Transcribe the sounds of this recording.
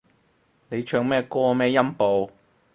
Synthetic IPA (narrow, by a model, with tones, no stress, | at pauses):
ne˨˧jt͡ʃʰœː˧ŋmɛː˥kɔː˥mɛː˥jɐ˥mpo˨w